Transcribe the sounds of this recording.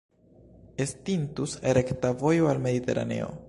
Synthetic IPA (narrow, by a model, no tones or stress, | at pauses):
estintuseɾektavo̞joalme̞d̪ite̞̰ɾa̰ne̞̰o̞̰